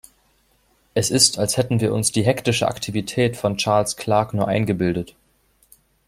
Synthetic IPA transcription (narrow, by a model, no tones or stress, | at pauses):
ʔɛsɪstalshɛtn̩viːɐʔʊnsd̥iːɦɛktɪʃəʔa̰ktʰivitʰɛːtfɔnt͡ʃaɐlskʰl̥aɐknuːɐʔa̰ɪnɡəbɪldət